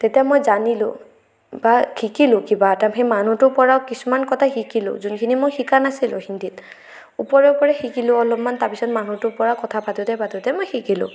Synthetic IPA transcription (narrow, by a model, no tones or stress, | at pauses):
tetijamɔjzanilʊ̰̃ | bakʰikilʊkibaːtamxejmanutʊpɔɹawkisumankɔtʰaxikilʊ̰zunkʰinimojxikanasilʊ̰̃hindit | upɔɹɛupɔɹɛxikilʊɔlɔpmantaɹpisɔtmanutʊpɔɹakɔtʰapatutɛpatutɛmojxikilʊ̰̃